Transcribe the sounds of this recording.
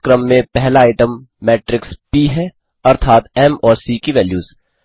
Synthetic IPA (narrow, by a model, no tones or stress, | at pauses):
kɾəmːẽpɛɦlaaːɪʈə̃mː | ɛːʈɾɪkspiɦɛ | ɐɾt̪ʰaːt̪ɛmɔːɾsiːkiʋɛːljuːz